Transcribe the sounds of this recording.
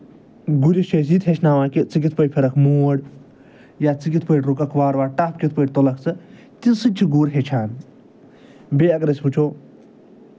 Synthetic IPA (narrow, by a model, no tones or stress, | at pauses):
ɡuɾiʃeːs̬it̪ɦet͡ʃnaːʋãːkit͡sɨk̬it̪ʰpəjʲpʰeɾɐkʰmuːɽ | jaːt͡sɨkit̪ʰpəjʈɾukɐkʰʋaːɾʋaːʈaːpʰkʲit̪̚ʰpəʈʲt̪olɐkʰt͡sɨ | t̪isɨnʲt͡ʃʰiɡuːɾɦet͡ʃʰaːn | beːɐɡɾɐsʲput͡ʃʰoː